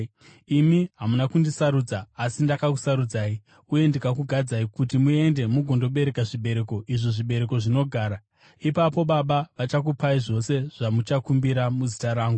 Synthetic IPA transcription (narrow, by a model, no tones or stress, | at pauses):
imiɦamunakundisaɾuːd͡zaːsindakaku̥saɾud͡zaːi | uje̞ndikakuɡʱad͡zaikutimue̞nde̞muɡʱondo̞ɓe̞ɾe̞kaʐiɓe̞ɾe̞ko̞ʔiʐoʐiɓe̞ɾe̞ko̞ʐino̞ɡʱaːɾa | ipapo̞ɓaɓaʋat͡ʃak̬upaiʐo̞se̞ʐ̥amut͡ʃakumbiɾamuzitaɾaːŋɡu